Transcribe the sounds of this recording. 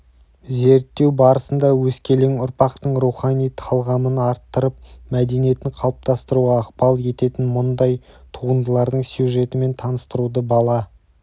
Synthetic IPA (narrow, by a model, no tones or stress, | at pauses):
ze̞ɾt̪ːe̞wbɑɾəsənd̪ɑwɵskʲe̞leŋʊɾpɑqt̪əɴɾuχɑnʲijt̪ʰɑlˠʁɑmənɑɾt̪ːəɾəp̚mæd̪e̞nije̞t̪ɪɴqʰɑlˠəp̚t̪ɑst̪əɾuʁɑːq̚pɑlˠe̞t̪e̞t̪ɪnmʊnd̪ɑjt̪ʰuʁənd̪əlˠɑɾd̪əɴsjuʒe̞t̪ɪme̞nt̪ʰɑnəst̪əɾud̪əbɑlˠɑ